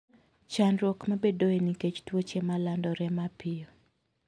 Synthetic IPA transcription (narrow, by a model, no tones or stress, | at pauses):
t͡ʃanɾwɔkmabedoeniket͡ʃtwot͡ʃemalandɔɾɛmapɪjɔ